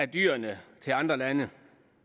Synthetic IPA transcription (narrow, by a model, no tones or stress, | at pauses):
æd̥y̰ːɐnət͡sʰe̝lɑ̈nd̥ʁɐlænə